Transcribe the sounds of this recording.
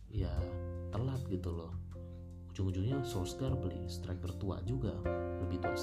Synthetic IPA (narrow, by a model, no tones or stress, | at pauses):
jat̪əlap̪̚ɡit̪ulɔh | ud͡ʒʊŋud͡ʒʊŋɲasoskarbəlḭst̪ɾak̚t̪ərt̪ua̰ʔd͡ʒuɡa̰ləbɪht̪ua̰ʔs